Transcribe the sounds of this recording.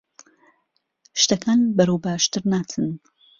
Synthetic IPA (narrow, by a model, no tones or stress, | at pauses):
ʃt̪ɐkʰaːnbɐɾowbaːʃt̪ɨɾnaːt̪ʰɨn